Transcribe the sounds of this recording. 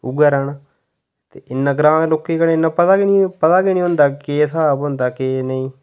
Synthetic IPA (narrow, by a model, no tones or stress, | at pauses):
ʊɡəːɾaːnaː | t̪eːɪnːãːɡɾãːnloːkːeːkənːɪnːãːpət̪aːkɪnĩːpət̪aːkenĩːɦʊnd̪aːkeːsaːbɦʊnd̪aːkeːnəĩː